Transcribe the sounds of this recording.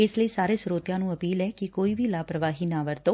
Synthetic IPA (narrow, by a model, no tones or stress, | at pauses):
eːsləisaːɾesɾoːt̪jãnũəpiːlɛkikoːibʱilaːpɾəʋaːɦinaʋəɾt̪oː